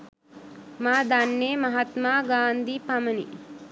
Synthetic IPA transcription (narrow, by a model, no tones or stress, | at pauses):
maːd̪anːeːmɐɦat̪maːɡaːnd̪iːpamənḭ